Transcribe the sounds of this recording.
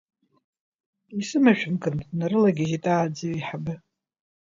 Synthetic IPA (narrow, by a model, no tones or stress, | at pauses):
isɨmaʃᶣmkʼɨnnaɾɨlaɡʲɪzitʼaːd͡ziwiħabɨ